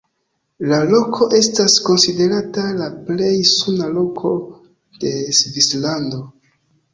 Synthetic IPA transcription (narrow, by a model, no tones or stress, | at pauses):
lalo̞kʰo̞ʔe̞stasko̞nside̞ɾatalaple̞jsunalo̞kʰo̞ | d̥e̞svislando̞